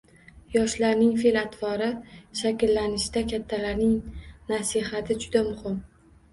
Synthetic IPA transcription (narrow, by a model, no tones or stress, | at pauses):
jɒʃlaɾnɪŋfelat̪ʰvɒɾɪʃakʲɪlːanɪʃɪd̪akʲʰat̪ʰːalaɾnɪŋnasɪɦat̪ʰɪd͡ʒʊd̪amʊhɪm